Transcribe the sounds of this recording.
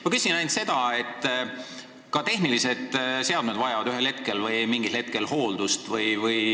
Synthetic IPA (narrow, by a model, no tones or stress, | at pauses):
mɑkysinɑjnt̪se̞d̪ɑe̞t̪ːˑ | kɑt̪e̞hnilise̞d̪̥se̞ɑd̪̥med̪vɑjɑvɑd̪̥yɦe̞lhet̪̚ke̞lvɤjmiŋɡ̥ilhe̞t̪̚ke̞lho̞ːld̪̥ust̪vɯjvɯj